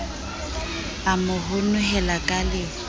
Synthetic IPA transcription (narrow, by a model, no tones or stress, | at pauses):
amʊɦʊnʊɦɛlakʼalɪ